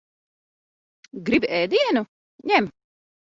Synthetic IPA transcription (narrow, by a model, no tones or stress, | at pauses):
ɡɾibʲɛːd̪iɛnu | ɲʲɛm